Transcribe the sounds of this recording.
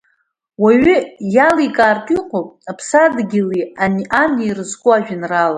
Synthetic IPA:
waɥʏjalikʼaːrtʼiqʰʼopʼapʰsadɡʲilianʔaniirɨzɡʷʼʊaʒᶣɪnrala

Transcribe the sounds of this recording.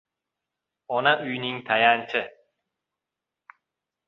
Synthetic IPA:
ɔnaʔyjnɪŋt̪ʰajant͡ʃʰɪ

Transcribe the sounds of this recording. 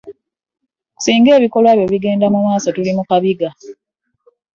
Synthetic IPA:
ku̥siːŋɡe̞ːβiko̞lwaːβjo̞βiɡe̞ːndamumaːso̞tulimukaβiɡa

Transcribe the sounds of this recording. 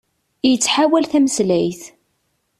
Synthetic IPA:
jət͡sːħawælθæməslæjθ

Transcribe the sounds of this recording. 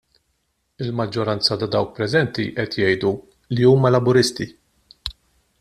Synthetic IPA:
ɪlmɐd͡ʒːɔɾɐnt͡sɐt̪ɐd̪ɐwk̚pɾɛzɛnt̪iʔɛt̪jɛjd̪u | liuːmɐlɐbʊɾɪst̪i

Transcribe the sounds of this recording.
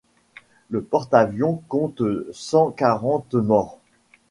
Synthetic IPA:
ləpɔʁt̪avjɔ̃kɔ̃t̪sɑ̃kaʁɑ̃t̪mɔːʁ

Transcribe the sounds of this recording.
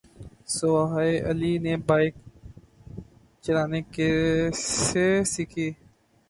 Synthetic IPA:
soaɦːeʔə̰liːneːbaːɪk̚ | t͡ʃənaːneːkeseːsɪkʰiː

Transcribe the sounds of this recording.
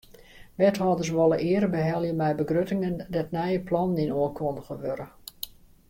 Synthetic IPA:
ʋɛtɦɔdərsʋɔlˠəʔɪəɾəbəɦɛlˠjəmɛjbəɡrøtɪŋəndɛtnɛjəplɔnəninoəkʰɔndəɣəʋøɾə

